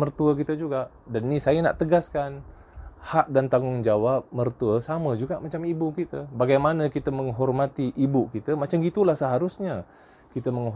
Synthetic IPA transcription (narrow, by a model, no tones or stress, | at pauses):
mərt̪uəkit̪əd͡ʒuɡaʔ | dannĩsajəna̰ʔt̪əɡaskan | haʔ̚dant̪aŋʊŋd͡ʒawap̚mərt̪uəsaməd͡ʒuɡaʔmat͡ʃamibukit̪əbaɡajmanəkit̪əmə̃ŋɦɔrmat̪iʔːbukit̪əmat͡ʃamɡit̪ulahsəɦaɾʊsɲa | kit̪əməŋ